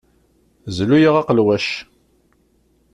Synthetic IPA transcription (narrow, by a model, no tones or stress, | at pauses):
zlujiʁɑqəlwæʃ